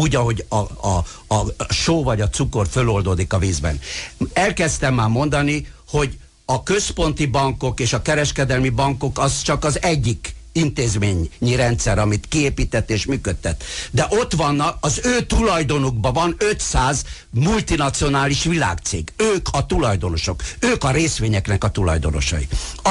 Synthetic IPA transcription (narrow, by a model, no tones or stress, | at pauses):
uːɟɒɦo̞ɟɒɒː | ʃoːvɒɟɒt̪suko̞rfølo̞ld̪oːd̪ikɒviːzbɛ̰nɛlkɛst̪ɛmːaːmo̞nd̪ɒniho̞ɟ | ɒkø̞spo̞nt̪ibɒŋko̞keːʃɒkɛɾɛʃkɛd̪ɛlmibɒŋko̞kɒst͡ʃɒkɒzɛɟːikint̪eːzmeːɲɲiɾɛnt̪sɛɾɒmit̪kieːpiːt̪ɛt̪ːeːʃmyːkøt̪ːɛt̪ːd̪ɛʔot̪ʋɒnːɒkɒzøːt̪ulɒjd̪o̞nuɡbɒvɒnøt̪saːz | mult̪inɒt̪sio̞naːliʃʋila̰ːkt̪sḛːɡøːkʰɒt̪ulɒjd̪o̞no̞ʃo̞køːkɒɾeːsʋeːɲɛknɛkɒt̪ulɒ̰jd̪o̞̰no̰ʃɒ̰jḭ